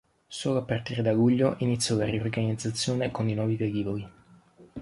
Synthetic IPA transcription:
soːloapːart̪iːɾed̪aluʎːoʔinit̪sːjɔlariorɡanid̪zːat̪sːjoːnekoninwɔːvivejiːvoli

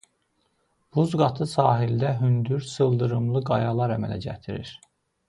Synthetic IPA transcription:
b̥uzɡɑt̪ʰɯsɑːɦild̪æɦynd̪yɾsɯlˠd̪ɯɾɯmlˠɯɡɑjɑlˠɑɾæmæ̰læ̰ɟæ̰t̪ʰiɾḭɾ

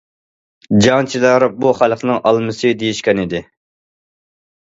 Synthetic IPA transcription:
d͡ʒɑŋt͡ʃʰid̪ɑɾ̚buχælˠəqnɨŋʔɑlˠmɨsɨd̪ejiʃkʲɛnid̪ɪ

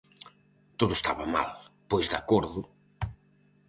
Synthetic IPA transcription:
t̪oðʊest̪aβama̰lpojzðakoɾðʊ

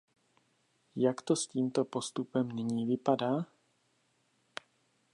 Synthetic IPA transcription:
jakt̪o̞sciːmt̪o̞po̞st̪upɛmnɪɲiːvɪpadaː

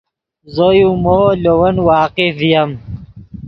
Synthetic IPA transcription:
zojũmolowɐnwaːqevijɐm

